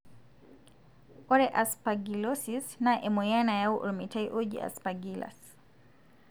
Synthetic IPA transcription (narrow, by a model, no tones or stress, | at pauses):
ɔɾɛʔaspaɡilɔsisnaʔɛmɔjanajauʔɔ̰lmitajʔɔd͡ʒḭa̰spaɡila̰s